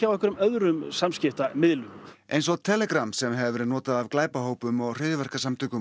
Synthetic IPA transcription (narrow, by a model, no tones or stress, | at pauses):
awɛhkʏɾʏmœðɾʏmsamscɪft̪amɪðlʏmʔejnsɔɣt̪ʰɛːlɛkɾamsɛmɦɛvvɪɾnɔːt̪aðavklaːjpaɦoːwpʏmɔɣr̥ɪːðvɛr̥kasamt̪ʰʏːkʏ